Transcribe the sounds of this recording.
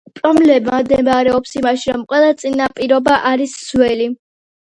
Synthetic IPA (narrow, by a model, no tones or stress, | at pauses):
pʼɾɔblɛmad̪ɛmaɾɛɔpsimaʃiɾɔmqʼwɛlˠat̪sʼinapʼiɾɔbaʔaɾisz̥wɛli